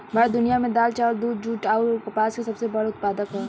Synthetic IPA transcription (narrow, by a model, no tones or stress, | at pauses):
mɐɾd̪ʊnijamẽd̪aːlt͡ʃaːld̪uːd̪̚d͡ʒuːʈaːkɐpaːskesɐbsebɐɽeʊt̪̚paːd̪əkɦɛ